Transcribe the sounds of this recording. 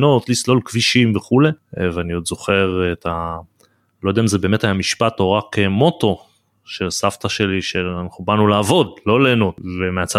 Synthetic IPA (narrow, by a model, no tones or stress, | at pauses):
no̞t̪lislo̞lkviʃimveχule̞veaniod̪zo̞χe̞ʁet̪a | lo̞jd̪ɛaimzebeːmetajamiʃpat̪o̞ʁakemo̞to̞ | ʃesaft̪aʃe̞liʃeanaχubanulaːvo̞d̪lo̞leːno̞t̪vemeat͡sa